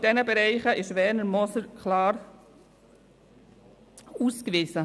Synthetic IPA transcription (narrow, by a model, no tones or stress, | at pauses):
d̥ɛnəbɛɾɛɪχəʔɪʃʋɛːnəɾmɔsəɾkʰlɑːɾ | uːskʋɪzə